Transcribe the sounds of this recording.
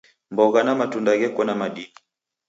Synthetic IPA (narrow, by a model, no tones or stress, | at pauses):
mbɔɣanamatundaɣɛkɔnamaɗini